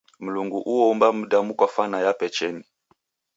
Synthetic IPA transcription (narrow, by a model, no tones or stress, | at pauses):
m̩luŋɡuʔuɔmbam̩damukwafanajapɛt͡ʃɛni